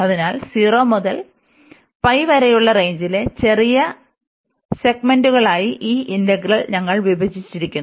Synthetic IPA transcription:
ɐðinaːlsiːroːmoðɐl | pɐjʋɐɾɐjuɭːɐre̞jɲd͡ʑile̞t͡ɕe̞rijɐ | se̞ɡme̞nduɣɐɭaːjiʔiːʔindɐɡrɐlɲɐŋːɐɭʋibʱɐd͡ʑʱit͡ɕːiɾikʲːunː

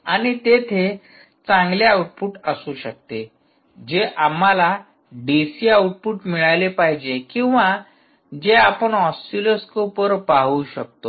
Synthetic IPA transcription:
aɽ̃it̪et̪ʰe | t͡sãŋɡljaawuʈ̚puʈəsuːɕək̚t̪e | d͡ʑeʔamːala | ɖisiawʈ̚puːʈmiɭajlepaɦid͡ʑekĩw̃ʋa | d͡ʑeapəɳɦɔsʈiloskopəɾpaɦuːɕək̚t̪o

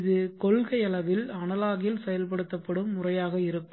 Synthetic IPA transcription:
ðɯkɔlɣɐɪɐlɐʋɪlɐɳɐlaːɣɪjɪlsɛjɐlp̬ɐɽɯt̪ːɐpːɐɽɯmːʊrɐjaːɣɐɪɾɯkːɯ

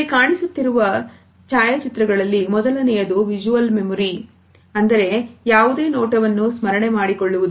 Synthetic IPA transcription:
kaːɳisut̪ːiɾuʋɐ | t͡ʃaːjɐt͡ʃit̪ɾɐɡɐɭɐlːimɔd̪ɐlɐnɛjɐd̪uʋid͡ʒuʋɐlme̞muɾi | ɐnd̪ɐɾe̞jaːʋud̪e̞ːnɔːʈɐʋɐnːusmɐɾɐɳe̞maːɽikoɭːuʋud̪u

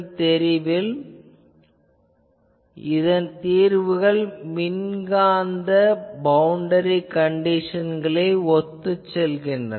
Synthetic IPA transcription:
t̪ɛɾɪʋɪl | ɪðɐnt̪iːɾʋɯɣɐɭmɪnɡaːnd̪ɐbɐwʊɳɖɐɾikɐɳɖɪʂɐnɡɐɭɐɪɔt̪ːɯt͡ʃːɛlɣɪndrɐ

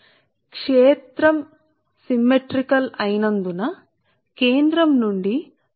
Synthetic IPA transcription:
kʂeːt̪ɾɐm | simːeʈɾikɐlɐjnɐnd̪unɐ | keːnd̪ɾɐmnuɳɖi

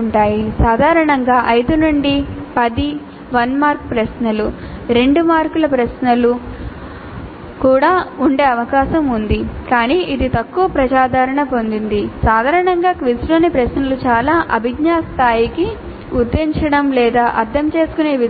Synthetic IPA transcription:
ɳʈaːjisaːd̪ʱaːɾɐɳɐŋɡaːʔɐjd̪unuɳɖipɐd̪i | ʋɐnmaːɾk̚pɾɐʃnɐlu | ɾe̞ɳɖumaːɾkulɐpɾɐʃnɐlu | kuːɽaːuɳɖe̞ːɐʋɐkaːʃɐmund̪ikaːniːʔid̪it̪ɐkːuʋɐpɾɐd͡ʒaːd̪ʱaːɾɐɳɐpo̞nd̪ind̪isaːd̪ʱaːɾɐɳɐŋɡaːkʋisloːnipɾɐʃnɐlut͡ʃaːlaːʔɐbʱiɡɲaːst̪ʰaːjiki | ud̪ːeɲt͡ʃɐɽɐmlɛːd̪aːʔɐɾt̪ʰɐmt͡ʃe̞ːsu̥kune̞ːʋi

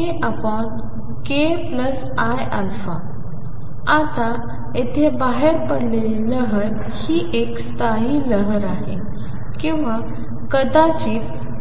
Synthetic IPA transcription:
eʔapəɳ | kepləs | ajalfa̰ | at̪a | et̪ʰebaɦeɾpəɽleliləɦəɾ | hiʔekst̪aɦiləɦəɾaɦe | kĩw̃ʋa | kəd̪at͡ɕiː

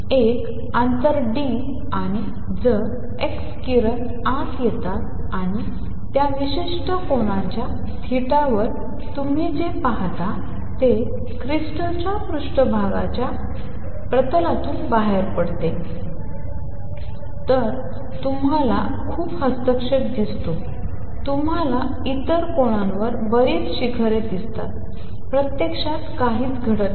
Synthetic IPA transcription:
ek | ant̪əɾɖi | aɽ̃i | d͡zə | ekskiɾən | at̪jet̪at̪ | aɽ̃i | t̪jaʋiɕiʂʈəkoɽ̃at͡ɕja | t̪ʰiʈaʋəɾ | t̪um̤iːd͡ʑepaɦt̪a | t̪e | kɾisʈət͡ɕjapɾuʂʈəbʱaɡat͡ɕja | pɾət̪əlat̪uːnbaɦeɾpəɽt̪e | t̪əɾ | t̪um̤ala̰ | kʰuːphəst̪əkʂeʈ̚d̪ist̪o | t̪umɦala | it̪əɾkoɽ̃ãnʋəɾbəɾiːt͡sɕikʰəɾet̪d̪ist̪a̰t̪̚ | pɾət̪jekʂat̪kaɦiːt͡sɡʱəɽət̪

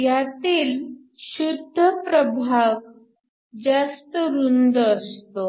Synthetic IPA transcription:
jat̪iːl | ɕud̪ʱːəpɾəbʱaʋ | d͡zast̪əɾund̪əst̪o

